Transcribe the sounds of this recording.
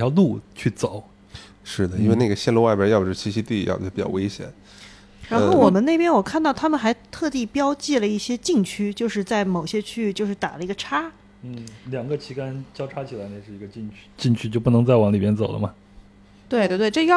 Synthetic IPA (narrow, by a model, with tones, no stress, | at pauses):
jɑ˥˧lu˥˩t͡ɕʰy˥˩t͡so˨˩˦ʊ | ʂɻ̩˥˩d̪ə˩i˥n˥we˥˧ɪna˥˩ɡə˩ɕjɛ˥˧nlu˥˧wa˥˩pjɑ˧˥jɑ˥˩pə˨˩ʂɻ̩˥˩t͡ɕʰi˧˥ɕi˥t̪i˥˩jɑ̰˥˩p̩˨˩˥pi˨˩t͡ɕɑ̰˥˧we˥ɪɕjɛ̰˨˩˦n | ɻa˧˥nxo˥˩wɔ˨˩mə˦ne˥˩ɪpjɛ˥nwɔ˨˩kʰa˥˧nt̪ɑ˥˩ʊt̪ʰa˥mə˨nxa˧˥ɪt̪ʰɤ˥˧t̪i˥˩pjɑ˥ʊt͡ɕi˥˩lə˩i˥˩ɕjɛ˥t͡ɕi˥˩ŋt͡ɕʰy˥t͡ɕjo˥˧ʊʂɻ̩˥˧t͡sa˥˩ɪmo˨˩ʊɕjɛ˥t͡ɕʰy˥˧t͡ɕjo˥˧ʊʂɻ̩˥˩t̪a̰˨˩lə˦i˧˥ɡə˧ʈ͡ʂʰa˥ | n̩˥˩ljɑ˨˩ŋɡə˧t͡ɕʰi˧˥ka˥nt͡ɕjɑ˥ʈ͡ʂʰa˥t͡ɕʰi˨˩la˧˥ɪna˥˧ɪʂɻ̩˥˩i˧˥ɡə˧t͡ɕi˥˩ŋt͡ɕʰy̥˥t͡ɕi˥˧ŋt͡ɕʰy˥t͡ɕjo˥˧ʊp̬u˥˩nɤ˧˥ŋt͡sa˥˩ɪwɑ˧˥ŋli˨˩mjɛ˥˩nt͡so˨˩ʊlə̰˦mɐ˧ | t̪we˥˧ɪt̪wt̪we˥˧ʈ͡ʂɤ˥˧˥